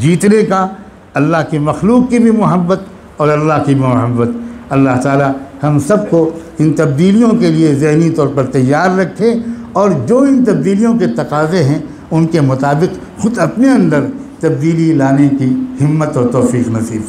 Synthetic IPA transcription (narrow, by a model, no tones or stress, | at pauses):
d͡ʒiːt̪ɾeka | ɐlːaɦkimɐxluːqːibʱimʊɦəbːət̪ | ɔːɾɐlːaɦkibʱimʊɦəbːət̪̚ɐlːaɦt̪aːlahɐmsɐb̚ko | ɪ̃nt̪ɐb̚d̪iːlijõkeliezɪɦnit̪ɔːɾpɐɾt̪ɐjːaːɾːɐkʰːeɔːɾd͡ʒoːɪnt̪ɐb̚d̪iːlijõket̪ɐqaːzeɦɛ̃ | ʊnkemʊt̪aːbɪq | xʊd̪ɐpneɐ̃nd̪əɾt̪ɐb̚d̪iːlilaːnekihɪmːət̪ɔːɾt̪ɔːfiːqnɐsiːb